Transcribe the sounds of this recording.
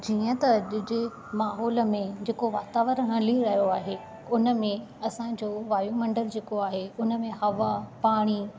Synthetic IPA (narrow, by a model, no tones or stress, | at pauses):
d͡ʑiːə̃t̪ɐʄʊd͡ʑe | maːɦɔːlə̆mẽd͡ʑeːkoʋaːt̪aːʋəɾɦɐ̃liɾɐɦijoaːɦe | ʊnə̆mẽ | ɐsãd͡ʑoːʋaːjumɐ̃ɳɖəld͡ʑeːkoaːɦeʊnəmẽhɐʋapaːɽ̃i